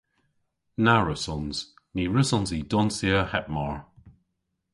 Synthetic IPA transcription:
naɹəsɔnz̥ | niɹəsɔnzidɔnsiəhɛp̚mɔɹ

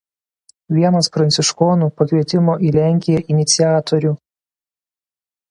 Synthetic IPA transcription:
ʋʲiɛnɐsfɾɐnʲsʲɪʃkoːnuːpɐkʲʋʲiɛt̪ʲɪmoːʔiːlʲæˑŋʲkʲɪjɛʔɪnʲɪt̪sʲɪjæːt̪oɾʲuː

